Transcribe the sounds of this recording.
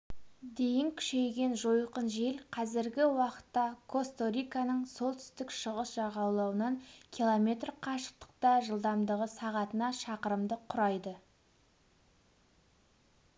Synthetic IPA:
d̪e̞jɪŋkʲʰʏ̥ʃe̞jɡʲe̞nʒojqənʒelqʰɑzɪɾɡʲɪwɑqə̥t̪ːɑkʰo̞st̪o̞ɾʲijkanəɴso̞lˠt̪ʰʏ̥st̪ɪkʃəʁəsʒ̥ɑʁɑwlˠɑwənɑŋkʲʰilˠo̞mʲe̞t̪rqʰɑʃə̥q̚t̪ə̥q̚t̪ɑʒəlˠd̪ɑmd̪əʁəsɑʁɑt̪ənɑʃɑqəɾəmd̪əqʰʊɾɑjd̪ə

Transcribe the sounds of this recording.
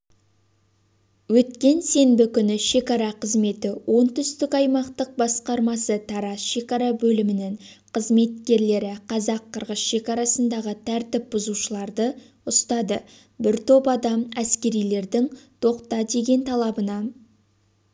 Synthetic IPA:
wɵt̪kʲe̞nse̞mbɪkʲʏnɪʃe̞kɑɾɑqʰəzme̞t̪ɪwʔo̞nt̪ʏst̪ɪkɑjmɑqt̪əq̚bɑsqɑɾmɑsət̪ʰɑɾɑsʃe̞kɑɾɑbɵlɪmɪnɪŋ | qʰəzme̞t̪̚kʲe̞ɾle̞ɾɪqʰɑzɑqʰːəɾʁəsʃe̞kɑɾɑsənd̪ɑʁət̪ʰæɾt̪ɪp̚b̥ʊzuʃəlˠɑɾd̪ə | ʊst̪ɑd̪ə | bɪɾt̪ʰo̞pɑd̪ɑmæskʲe̞ɾijle̞ɾd̪ɪŋt̪ʰo̞qt̪ɑd̪e̞ɡʲe̞nt̪ʰɑlˠɑbənɑ

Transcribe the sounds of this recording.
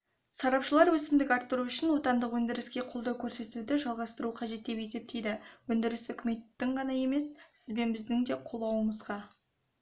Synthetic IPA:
sɑɾɑpʃəlˠɑɾwɵsɪmd̪ɪkɑɾt̪ːəɾuʏʃɪnwo̞t̪ɑnd̪əqwɵnd̪ɪɾɪskʲe̞qʰolˠd̪əkʲʰɵɾse̞t̪ud̪ɪʒɑlˠʁɑst̪əɾuqʰɑʒe̞t̪ːe̞pje̞se̞p̚t̪ʰe̞jd̪ɪwɵnd̪ɪɾɪsʏkʲɪme̞t̪ːɪɴʁɑnɑje̞me̞ssɪzbe̞nbɪzd̪ɪŋd̪e̞qʰo̞lˠɑwəməzʁɑ

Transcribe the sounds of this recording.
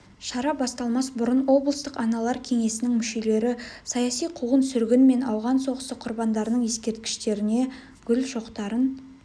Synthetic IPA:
ʃɑɾɑbɑst̪ɑlˠmɑsbʊɾənwo̞blˠəst̪əqɑnɑlˠɑɾkʲʰe̞ŋe̞sɪnɪŋmʏʃe̞le̞ɾɪsɑjɑsijqʰuʁənsʏɾɡʲɪnme̞nɑwʁɑnso̞ʁəsəqʰːʊɾbɑnd̪ɑɾənəɴje̞skʲe̞ɾt̪kʲɪ̥ʃt̪e̞ɾɪne̞ | ɡʲʏlʒo̞qt̪ɑɾən

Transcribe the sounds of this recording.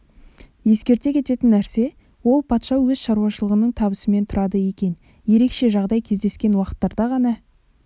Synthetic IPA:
je̞skʲe̞ɾt̪e̞kʲʰe̞t̪e̞t̪ɪnːæɾse̞ | wo̞lˠpʰɑt̪ʃɑwɵzʃɑɾuwɑʃəlˠəʁənəɴt̪ʰɑbəsəme̞nt̪ʰʊɾɑd̪əje̞kʲe̞n | je̞ɾe̞kʃe̞ʒɑʁd̪ɑjkʲʰe̞zd̪e̞skʲe̞nwɑqə̥t̪ːɑɾd̪ɑʁɑnɑ

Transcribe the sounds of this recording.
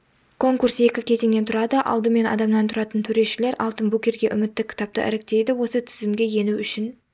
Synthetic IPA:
kʰo̞ŋkurse̞kʲɪkʲʰe̞zeŋne̞nt̪ʰʊɾɑd̪əʔɑ̰lˠd̪əme̞nɑ̰d̪ɑmnɑnt̪ʰʊɾɑt̪ənt̪ʰɵɾe̞ʃɪle̞ɾʔɑ̰lˠt̪ənbukʲe̞ɾɡʲe̞ʔʏmɪt̪ːɪkʲʰɪ̥t̪ɑp̚t̪ə̰ʔæ̰ɾek̚t̪e̞jd̪ɪwo̞sət̪ʰɪ̥zɪmɡʲe̞je̞nuʏʃɪn

